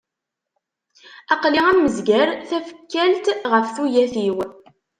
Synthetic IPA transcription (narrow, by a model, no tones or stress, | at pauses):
ɑqliʁæmːəzɡæɾθæfə̥kːælt̪ʁəfθujæθiw